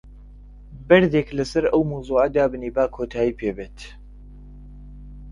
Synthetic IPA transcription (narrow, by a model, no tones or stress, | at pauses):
bɐɾd̪eːklɐsɐɾʔɐwmowzˤuːʔad̪aːbɨniːbaːkʰoːt̪ʰaːjiːpʰeːbeːt̪